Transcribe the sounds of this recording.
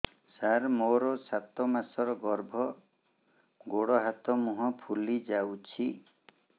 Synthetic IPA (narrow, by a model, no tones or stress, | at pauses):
saɾmoɾɔsat̪ɔmasɔɾɔɡɔɾbʱɔ | ɡoɽɔɦat̪ɔmuɦɔpʰulid͡ʒawt͡ʃʰi